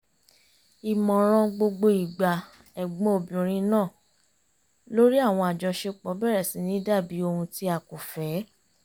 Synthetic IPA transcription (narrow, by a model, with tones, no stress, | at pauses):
i˨mɔ̃˨ɾ̃ɔ̃˧ɡ͡bo˧ɡ͡bo˧i˨ɡ͡ba˨ | ɛ˨ɡ͡bɔ̃˨˦o˨bĩ˨ɾ̃ĩ˧nãː˦˨ | lo˦ɾi˦a˦˨w̃ɔ̃˧a˨d͡ʒɔ˧ʃe˧k͡pɔ˨˦bɛ˦˨ɾɛ˨sĩ˨˦nĩ˦da˦˨bi˨˦o˧hũ˧ti˧˦a˨ku˨fɛ˨˦